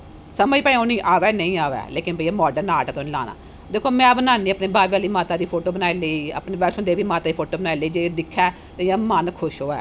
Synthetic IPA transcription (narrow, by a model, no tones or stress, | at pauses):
səməiːpɛ̃ẽoːnĩːʔaːʋɛːnəĩːaːʋɛ̰ːleːkɪnbəiɛːmɔːɖəɾnaːʈɛːt̪ʰoñːla̰ːna̰ː | d̪eːkʰoːmɛ̃ːbənaːniːəpneːbaːbjaːliːmaːt̪aːd̪iːpʰoːʈoːbənaːileiːə̰pneːbɛːt͡ʃʰõːd̪eːʋiːmaːt̪aːd̪iːpʰoːʈoːbənaːileiːd͡ʒeːd̪ɪkʰːɛː | t̪eãːmənkʰʊʃɦoːɛ̰ː